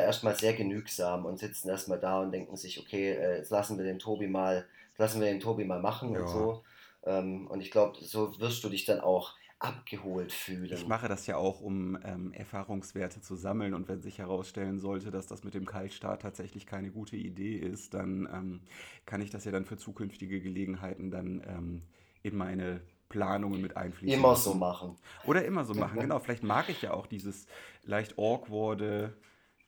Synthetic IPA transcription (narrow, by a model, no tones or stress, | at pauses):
aʔeːɐstmaːlzeːɐɡənyːkz̥aːmʊntz̥ɪt͡sn̩eːɐstmaːldaːʊntd̥ɛŋkŋ̩zɪçʔokʰeːʔɛːslasn̩viːɐdeːntʰoːbimaːl | lasn̩viːɐdeːntʰoːbimaːlmaχn̩ʊ̰ntz̥oː | ʔɛːmʔʊ̰ntɪçɡ̥laʊbəzoːvɪɐst̚d̥uːdɪçd̥anʔa̰ʊx | ʔapɡ̥əhoːltfyːlənɪçmaχədasjaːʔaʊxʊmʔɛ̰ːmʔɛ̰ɐfaːʁʊŋsv̥ɛːɐtət͡suzaml̩nʊntv̥ɛnzɪçhɛʁ̞aʊsʃtɛlənzɔltədasd̥a̰smɪt̚d̥eːmkʰaltʃta̰ːtʰːaːtz̥ɛçlɪçkʰaɪnəɡuːtʰəʔḭdeːʔɪstd̥a̰nʔɛ̰ːmkʰanɪçd̥asjaːdanfyːɐt͡suːkʰʏnftɪɡəɡəleːɡŋ̩ɦaɪtn̩danʔɛ̰ːm | ʔɪnmaɪnə | pl̥aːnʊŋənmɪtʔa̰ɪnfliːɪmmɐzoːmaχn̩ʔoːɾɐʔɪmɐzoːma̰χn̩ɡənaʊfɪlaɪçtmaːkɪçjaːʔa̰ʊxd̥iːzəslʔaɪçtʔɔɐkv̥ɔɐdə